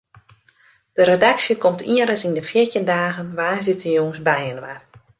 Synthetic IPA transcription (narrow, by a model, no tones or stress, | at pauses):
d̥əɾedaksjəkɔmtʰiəɾəsindəfiərtjəndaːɣənʋaːzɪtʰənjoŋsbɛjənʋa̰r